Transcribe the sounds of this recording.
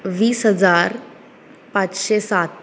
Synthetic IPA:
ʋiːsɦəd͡zaɾ | pat͡sɕesat̪

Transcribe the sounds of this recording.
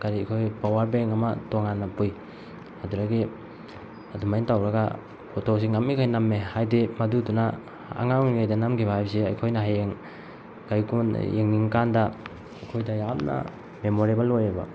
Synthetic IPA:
kaɾikʰojpawaɾbeŋamatoŋanːapuj | aduɾaɡi | adumajintawɾaɡa | pʰotʰos̬iŋamikʰajnamːehajdimɐduduna | a̰ŋaŋniajdanamkʰibahajbseɐ̰jkʰojnaɦajeŋ | kajkun̰jeŋniŋkanda | ajkʰojdajamna̰ | memoɾebalojeba̰

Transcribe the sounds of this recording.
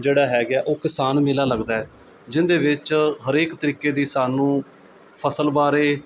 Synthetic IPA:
d͡ʒeːɽaːɦɛːɡɪaːʔoːkɪsaːnmɪlaːləɡd̪aːɦɛː | d͡ʒɪnd̪eːʋɪt͡ʃɦəɾeːkt̪əɾiːkeːd̪iːsaːnũː | pʰəsəlbaːɾeː

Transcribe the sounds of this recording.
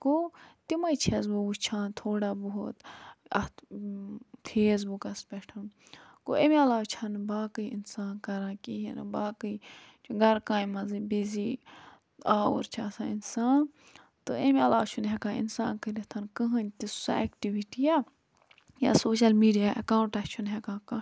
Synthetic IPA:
kot̪imɐjt͡ʃʰezbubut͡ʃʰãːnt̪ʰoːɽaːboɦot̪ɐ | t̪ʰeːs̬bukɐspɛʈʰɐn | ko̰emiɐlaːt͡ʃʰanbaːkɨiḭnsaːnkɐɾãːkiɦḛnɨ̰baːkɨi | t͡ʃʰuɡɐɾkãːjmɐzibizi | aːo̰ɾt͡ʃʰaːsãːinsaːn | t̪ɨemiɐlaːt͡ʃʰunɦɛkãːḭnsaːnkəɾit̪ʰɐnkɐɦɐ̃nʲt̪isekʈiʋiʈija | ja̰soːʃɐlmiːɖijaːʔɐkaːũɳʈɐt͡ʃʰunɦɛkãːka

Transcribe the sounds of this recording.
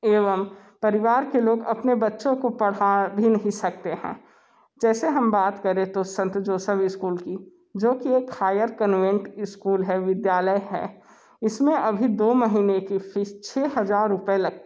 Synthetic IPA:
eːʋəm | pɐɾɪʋaːɾkeloːɡɐ̰pnebɐtːʃõkopɐɽ̤abʱinɐɦĩsɐk̚t̪eɦɛ̰̃ː | d͡ʒɛːseɦɐmbaːt̪kɐɾẽt̪osɐ̃nt̪d͡ʒoːsəbɪskuːlki | d͡ʒoːkieːkhaːjəɾkənʋẽɳʈɪskuːlɦɛʋɪd̪jaːləjɦɛ̰ | ɪsmẽʔɐbʱid̪oːmɐɦiːnekifɪʃt͡ʃʰeːɦɐzaːɾːʊpelɐɡ̚t̪

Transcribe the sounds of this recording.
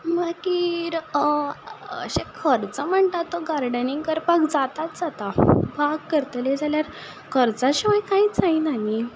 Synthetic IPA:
makiːɾ | ə̰ɕekʰəɾt͡səm̤əɳt̪at̪ːoɡaɾɖəniŋɡkəɾpakd͡zat̪at̪̚d͡zat̪abʱaɡkəɾt̪led͡zaljaɾ | kʰəɾt͡saɕəʋajkaɦit͡saɦinaɦi

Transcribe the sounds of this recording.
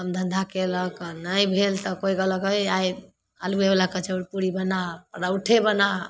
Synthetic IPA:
əmd̪ʱə̃nd̪ʱakeləknəjbʱelt̪ɔkojɡələkəjaj | alueblakət͡ʃʰəɽpuɾibənapəɾəwʈʰebəna

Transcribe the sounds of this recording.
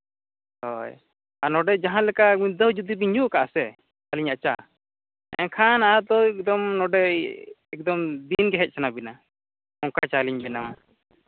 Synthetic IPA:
hɔj | anɔɖɛd͡ʒaɦãlɛkaid̪ɔɦd͡ʒud̪ibiɲd͡ʒukaʔasɛ | aliɲat͡ʃa̰ | ɛ̰ãkʰanaʔad̪ɔɛk̚d̪ɔmnɔɖɛ | ɛk̚d̪ɔmd̪inɡɛɦɛc̚ˀsʰanabina | ɔŋkat͡ʃaliɲbɛnam

